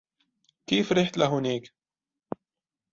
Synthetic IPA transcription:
kiːfɾiħt̪laɦʊneːk

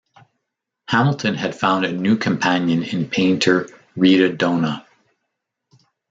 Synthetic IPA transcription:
hæml̩ˠtʰɨ̃nɨd̥fãʊ̃ndɨnʉkʰɨ̃mpʰæ̃njɨ̃nɪ̃npʰẽɪ̃ntʰə˞ | ɹiɾɨdõʊ̃nə

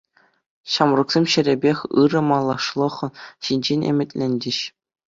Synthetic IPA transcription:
ɕɑmrŭksʲemɕɘ̆ɾʲebʲexʲɯɾɤ̆mɑlˠːɑʂlˠɤ̆χɕinʲd͡ʑenʲḛmʲɘ̆tʲlʲenʲdʲɘ̆ɕ

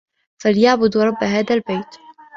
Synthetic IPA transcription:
faljaʕbʊd̪ɾˤɑbːɦaːd̪albajt̪

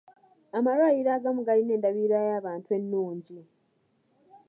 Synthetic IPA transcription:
amaɾwaiɾaːɡamuɡaline̞ːndaβiːɾajaːβaːntwe̞nːuːɲɟi

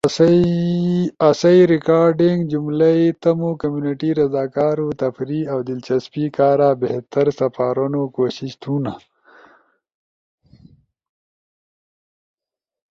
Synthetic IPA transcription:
ɐsɐiɾɪkaːɾɖiŋɡd͡ʒumlait̪ɐmokɐmjuːniʈiɾɐzaːkaːɾut̪ɐfɾiawd̪ɪlt͡ʃɐspikaːɾaːbeht̪ɐɾsɐfaːɾunokoːɕiʃt̪ʰuna

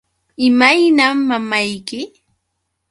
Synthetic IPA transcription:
ɪmajnamːamajkɪ

